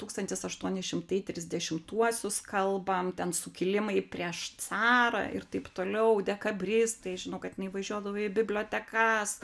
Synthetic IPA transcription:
t̪uːkst̪ɐnʲt̪ʲɪsɐʃt̪uɔnʲɪsʃʲɪmt̪ɐɪt̪ʲɾʲɪzʲd̪ʲɛʃʲɪmt̪uɔsʲʊskɐlˠbɐmt̪ʲɛnsʊkʲɪlʲɪmɐɪpʲɾʲiɛʃt͡s̪ɑːɾɐ̰ʔɪ̰rt̪ɐɪpt̪oːlʲɛʊd̪ʲɛkɐbʲrʲɪst̪ɐɪʒʲɪnɐʊkɐt̪jɪnɐɪʋɐʒʲuɔd̪ɐʋoɪbʲɪbʲlʲoːt̪ʲɛkɐs

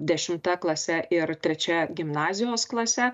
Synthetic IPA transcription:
d̪ʲɛʃʲɪmt̪ɐklˠɐsʲɛʔɪɾt̪ʲɾʲɛt͡ʃʲɛɡʲɪmnɑːzʲɪjoːsklˠɐsʲɛ

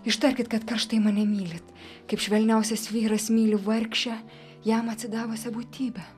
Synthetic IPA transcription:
ɪʃt̪ɐɾʲkʲɪt̪kɐt̪kɐɾʃt̪ɐɪmɑnʲɛmʲiːlʲɪt̪ | kɐɪpʃʲʋʲɛlʲnʲɛʊsʲɛsʋʲiːɾɐsmʲiːlʲʊʋɐɾʲkʃʲɛ | jɛmɐt̪ʲsʲɪd̪ɑːʋosʲɛbuːt̪ʲiːbʲɛ

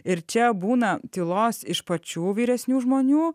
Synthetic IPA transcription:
ɪɾt͡ʃʲɛbuːnɐt̪ʲɪlˠoːsɪʃpɐt͡ʃʲuːʋʲiːɾʲɛsʲnʲuːʒmoːnʲuː

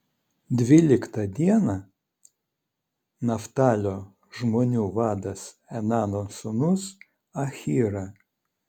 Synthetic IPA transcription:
d̪ʲʋʲɪlʲɪkt̪ɐd̪ʲiɛnɐ | nɐft̪ɑːlʲo | ʒmoːnʲuːʋɑːd̪ɐs | ɛnɑːnosʊnʊs | ɐxʲiːɾɐ

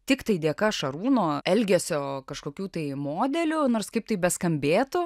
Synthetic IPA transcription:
t̪ʲɪkt̪ɐɪd̪ʲeːkɐʃɐɾuːnoːɛlʲɡʲɛsʲoːkɐʃkoːkʲuːt̪ɐɪmoːd̪ʲɛlʲʊnoːrskɐɪp̚t̪ɐɪbʲɛskɐmʲbʲeːt̪ʊ

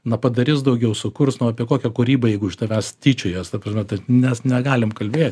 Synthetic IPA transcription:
nɐpɐd̪ɐɾʲɪsd̪ɐʊɡʲɛʊsʊkʊrsnʊɐpʲiɛkoːkʲɛkʊɾʲiːbɐjɛɪɡʊʃʲɪt̪ɐʋʲɛst̪ʲiːt͡ʃʲʊjoːst̪ɐpɐʒʲmʲɛt̪ɐnʲɛsnʲɛɡɑːlʲɪmkɐlʲbʲeːt̪ʲ

